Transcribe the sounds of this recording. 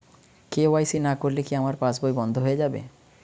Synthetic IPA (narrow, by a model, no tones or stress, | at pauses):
keoajsinakoɾlekiamaɾpãsbojbɔnd̪ʱoɦoed͡ʑabḛ